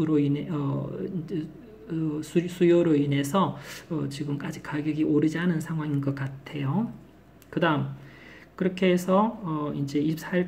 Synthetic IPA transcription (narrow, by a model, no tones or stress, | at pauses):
ɾoineʌid͡ʑ | sʰusʰujoɾoine̞sʰʌʌt͡ɕiɡɯmk͈ad͡ʑikaɡjʌɡiʔoɾɯd͡ʑianɯnsʰaŋɦwaŋinɡʌk͈atʰe̞jo | kɯdaɯm | kɯɾʌkʰe̞ːsʰʌːind͡ʑe̞iɕip̚s͈ʰa